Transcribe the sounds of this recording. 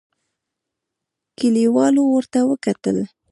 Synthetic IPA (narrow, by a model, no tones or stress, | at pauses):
kɪliwɑlowəɾt̪awəkat̪ə̰l